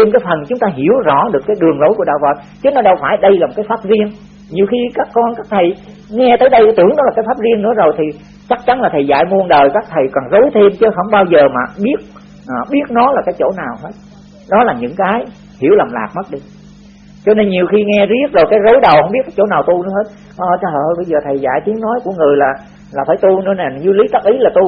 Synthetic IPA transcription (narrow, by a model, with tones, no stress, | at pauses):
t̪ʰe˧mkaː˨˦jfə˨˩nt͡ɕʊ˨˦ŋ͡mt̪aː˧ɦi˧˩əwzɔ̰˧˩˥ɗɨ˨˩əkːaː˨˦jɗɨ˨˩əŋlo˨˦jku˧˩əɗa̰ː˧˨wvə̰˨˩t̚ | t͡ɕɨ˨˦nɔ˨˦ɗə˧˩wfaː˧˩jɗə˧jlaː˨mo˨˩tkaː˨˦faː˦˥p̚zi˧ən | ɲi˨˩əwxi˧kaː˦˥kːɔ˧nkaː˦˥k̚t̪ʰə˨˩j | ŋɛ˧t̪əː˨˦jɗə˧jʔa˨˦t̪ɨ˧˩ənɗɔ˨˦aː˨˩kaː˨˦jfaː˦˥p̚zi˧ənnɨ̰˧˥əzo˨˩jt̪ʰi˨˩ | t͡ɕa˦˥k̚t͡ɕa˨˦nlaː˨˩t̪ʰə˨˩jza̰ː˧˨jmu˧ənɗəː˨˩jkaː˦˥k̚t̪ʰə˨˩jkɔ˨˩nzo˨˦jt̪ʰe˧mt͡ɕə˨˦ɦə˧˩wŋ͡mɓaː˧wzəː˨˩maː˨˩ɓi˦˥ət̚ | ʔɓi˦˥ət̚nɔ˨˦laː˨˩kaː˨˦jt͡ɕo̰˧˩naː˨˩wɦe˦˥t̚ | ɗɔ˨˦laː˨˩ɲɨ̰˧˥ŋkaː˨˦j | hi˧˩əwlaː˨˩mla̰ː˨˩k̚mə˦˥t̚ɗi˧ | t͡ɕɔ˧ne˧nɲi˨˩əwxi˧ŋɛ˧zi˦˥ət̚zo˨˩jkaː˨˦jzo˨˦jɗə˨˩whə˧˩wŋ͡mɓi˦˥t̚kaː˨˦jt͡ɕo̰˧˩˦naː˨˩wt̪u˧nɨ̰˧˦he˦˥t̚ | ʔəː˧˩˧ɓə˧jzəː˨˩t̪ʰə˨˩jza̰ː˧˨jt̪i˨˦əŋnɔ˨˦jku˧˩əŋɨ˨˩əjlaː˨˩ | laː˨˩faː˧˩jt̪u˧nɨ̰˧˥əna˨˩˨zu˧li˨˦t̪a˦˥k̚ʔi˨˦laː˨˩t̪u˧